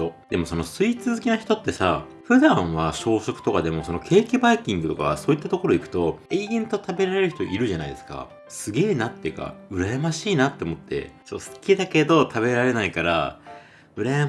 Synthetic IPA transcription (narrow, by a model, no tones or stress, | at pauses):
od̪̥e̞mo̞so̞no̞sɨit͡sɨzɨkʲinaçi̥t̪o̞t̪ːe̞sa | ɸɯ̟d̪ãβaɕo̞ːɕo̞kɯ̟̥o̞kad̪e̞mo̞so̞no̞kʰe̞ːkʲibaikʲĩŋɡɯ̟t̪o̞ka̰βa̰soːit̪ːat̪o̞ko̞ɾo̞ikɯ̟t̪o̞eɡẽnt̪o̞t̪abe̞ɾaɾe̞ɾɯ̟çi̥t̪oʔiɾɯ̟ʑanaid̪e̞ska̰ | sɨɡe̞ːnat̪ːeɯ̟ka̰ɯ̟ɾajamaɕiːnat̪ːe̞omo̞t̪ːe̞̰t͡ɕot̪ːosɨ̥kʲid̪ake̞d̪o̞t̪ʰaβe̞ɾaɾe̞naikaɾa | ɯ̟ɾaja